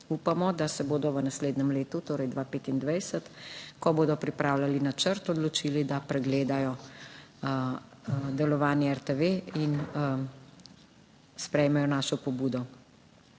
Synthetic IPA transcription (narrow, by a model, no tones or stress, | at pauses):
uːpamɔd̪asɛboːd̪ɔʋənasleːd̪nɛmleːt̪ut̪oːɾɛjd̪ʋaːpeːt̪ind̪ʋɛjsət̪kɔboːd̪ɔpɾipɾaːwlalinat͡ʃəɾt̪ɔd̪lɔt͡ʃiːlid̪apɾɛɡleːd̪ajɔ | d̪ɛlɔʋaːnjɛɛɾt̪eʋein | spɾɛjmɛjɔnaːʃɔpɔbuːd̪ɔ